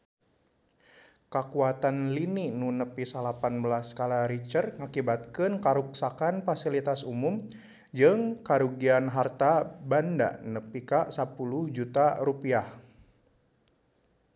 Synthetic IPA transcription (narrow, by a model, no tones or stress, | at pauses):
kakuat̪anlininunəpisalapanbəlaskalaɾit͡ʃərŋakibat̪̚kɨnkaɾuksakanfasilit̪asumum | d͡ʒɨŋkaɾuɡianɦart̪abanda̰nəpikasapuluhd͡ʒut̪aɾupiah